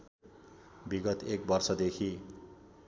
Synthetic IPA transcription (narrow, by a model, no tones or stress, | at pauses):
biɡʌt̪ek̚bʌrsʌd̪ekʰi